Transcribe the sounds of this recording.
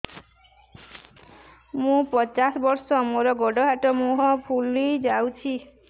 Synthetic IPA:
mũpɔt͡ʃasɔbɔɾsɔmoɾɔɡɔɖɔɦaʈɔmuɦɔpʰulid͡ʒawt͡ʃʰi

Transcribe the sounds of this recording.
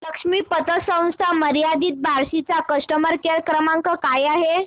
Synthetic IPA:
ləkʂmiːpət̪əsə̃w̃st̪ʰaməɾijad̪iːt̪̚bʱaɾsit͡sakəʂʈəməɾkeɾkɾəmaŋkəkajaɦe

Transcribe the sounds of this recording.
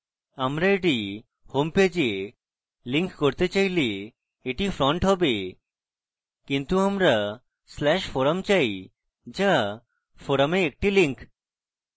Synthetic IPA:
amɾaeʈi | homped͡ʑe | liŋkkoɾt̪et͡ɕajle | eʈifɾɔɳʈɦɔbe | kint̪uamɾa | slɛʃfoɾamt͡ɕaj | d͡ʑa | foɾameek̚ʈiliŋk

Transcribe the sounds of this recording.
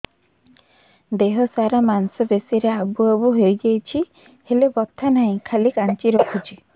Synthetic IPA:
d̪eɦɔsaɾamansɔbesiɾeabuabuɦejd͡ʒajt͡ʃʰi | helebɔt̪ʰːanaĩkʰalikant͡ʃiɾɔkʰut͡ʃʰi

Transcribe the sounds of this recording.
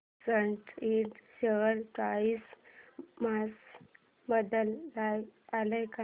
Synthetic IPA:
t͡səɳʈiʈɕəəɾkais | mas | bəd̪əlːajaləjka

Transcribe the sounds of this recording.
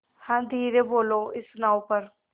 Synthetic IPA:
hãːd̪ʱiːɾeboːloɪsnãːũpəɾ

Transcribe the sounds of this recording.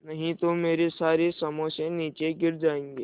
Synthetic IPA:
nɐɦĩt̪omeːɾesaːɾesɐməsẽniːt͡ʃeɡɪɾd͡ʒaːẽːŋɡeː

